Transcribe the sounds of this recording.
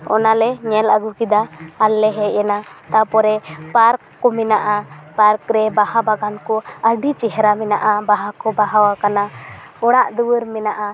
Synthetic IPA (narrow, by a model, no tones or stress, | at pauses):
ɔ̰nalɛɲɛləɡukid̪aalːɛɦɛɛnat̪apɔɾɛpaɾkːɔmɛnaʔapaɾkɾɛbahabaɡankɔəɖit͡ʃɛɦɛɾamɛna̰ʔabaɦakɔbaɦawakana | ɔɽ̃aʔd̪uwəɾmɛnaʔa